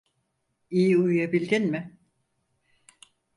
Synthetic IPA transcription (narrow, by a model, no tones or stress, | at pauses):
ijiujjabilʲd̪ʲinmɪ